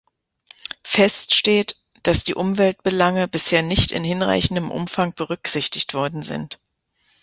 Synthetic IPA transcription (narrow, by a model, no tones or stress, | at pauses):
fɛstʃteːt | d̥asd̥iːʔʊmvɛlt̚b̥əlaŋəbɪsheːɐnɪçtɪ̰nhɪnʁa̰ɪçn̩dəmʔʊ̰mfaŋb̥əʁ̞ʏkz̥ɪçtɪçtv̥ɔɐdn̩zɪ̰nt